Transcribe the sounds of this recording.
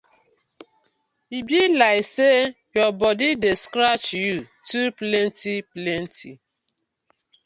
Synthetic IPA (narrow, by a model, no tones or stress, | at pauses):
ibilaɪkse | jɔbɔdideskɾat͡ʃju | tuplɛntiplɛntʰi